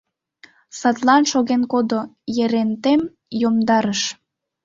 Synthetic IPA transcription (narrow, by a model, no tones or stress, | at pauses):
sɑt̪lɑnʃoɣenkod̪ojeɾent̪em | jomd̪ɑɾəʃ